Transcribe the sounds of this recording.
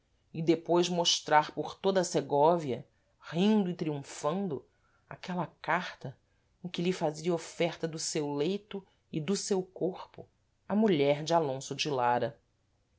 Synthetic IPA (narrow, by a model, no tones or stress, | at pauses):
ɪd̪epojzmoʃt̪ɾaɾpʊχt̪od̪ɐseɡɔviɐ | hĩnd̪ʊɪt̪ɾiũfɐ̃nd̪ʊ | a̰kɛlɐkaχt̪ɐ | ẽkɪʎɪfaziɐofɛχt̪ɐd̪ʊsewlejt̪ʊ | ɪd̪ʊsewkoχpʊ̰ | ɐmuʎɛɾd͡ʒɪalõsʊd͡ʒilaɾɐ